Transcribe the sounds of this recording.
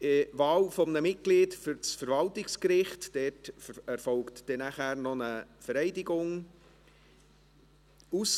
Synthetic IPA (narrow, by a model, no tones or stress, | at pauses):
ɪʋɑːlfɔmnəmɪt̚ɡ̥liːtfʏɾt͡sfəɾʋɑltɪkskɾɪχtd̥ɛtɛɾfɔlktd̥ɛnæχæːɾnɔnəfəɾɛɪdɪɡʊŋ | us